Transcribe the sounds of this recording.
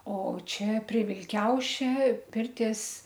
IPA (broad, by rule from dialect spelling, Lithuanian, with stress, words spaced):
oː ˈt͡ʃʲɛ pʲrʲiɛ ʋʲɪlʲˈkʲɛʊʃʲɛ ˈpʲɪrʲtʲiɛs